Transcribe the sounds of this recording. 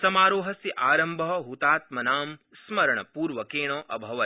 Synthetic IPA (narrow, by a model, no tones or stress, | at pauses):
sɐmaːɾoːɦɐsiʔaːɾɐmbʱɐɦɐɦut̪aːt̪mɐnaːm | smɐɾɐɳɐpuːɾʋɐkeːɳ̃ɐːʔɐbʱɐʋɐ